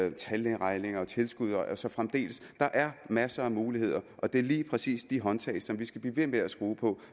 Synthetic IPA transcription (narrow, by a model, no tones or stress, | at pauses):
t͡sʰælenʁɑ̈ɪne̝ŋɐɒt͡sʰe̝lsɡ̥uð̞ˠɒsɒ̽fʁamd̥e̝̰ːləsd̥ɑ̈ʔæɐmæsɐæmuːlihe̝ð̞̰ˠɐʔɒ̽d̥e̝æɐliːpʰʁɛsḭːsd̥iɦɒ̽nt͡sʰɛ̰ɪsɒ̽mʋisɡ̥æb̥liːʋe̝meæsɡ̥uːpʰɒ̽